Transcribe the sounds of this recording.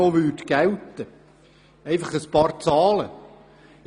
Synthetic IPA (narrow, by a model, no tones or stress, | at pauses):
oʋyːdɡ̥ælt̪ə | ɛɪfɑχəspɑːɾt͡sɑːlə